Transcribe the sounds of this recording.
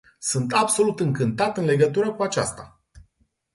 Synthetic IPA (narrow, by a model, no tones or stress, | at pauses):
sunt̪abso̞lut̪ɨŋkɨnt̪at̪ɨnle̞ɡət̪uɾəkuat͡ʃa̰st̪a